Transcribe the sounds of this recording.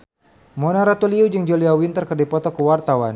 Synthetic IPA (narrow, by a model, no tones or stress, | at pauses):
mɔnaɾat̪uliud͡ʒɨŋd͡ʒoliawint̪ərkərdipɔt̪ɔkəwart̪awan